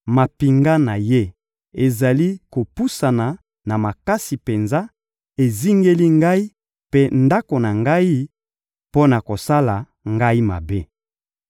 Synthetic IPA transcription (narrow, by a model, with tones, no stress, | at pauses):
ma˨pi˨ŋɡa˦na˨je˦ | e˨za˨li˦ko˨pu˦sa˨na˨ | na˨ma˨ka˦si˨pe˨nza˦ | e˨zi˦ŋɡe˦li˦ŋɡa˦i˦ | pe˦nda˦ko˨na˨ŋɡa˦i˦ | po˦na˨ko˨sa˦la˨ | ŋɡa˦i˦ma̰˨be˦